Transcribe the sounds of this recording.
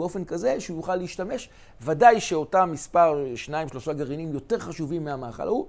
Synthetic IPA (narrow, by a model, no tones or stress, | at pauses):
o̞fe̞nkazeʃeujuχalːeiʃtame̞ʃ | vadajʃe̞o̞tamispaʁʃnaimʃlo̞ʃaɡaʁinimjo̞te̞ʁχaʃuvimːeamaːχa̰lʔa̰u